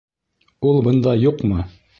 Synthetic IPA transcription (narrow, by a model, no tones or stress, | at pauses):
ulˠbɤ̆nd̪ɑjuqmɤ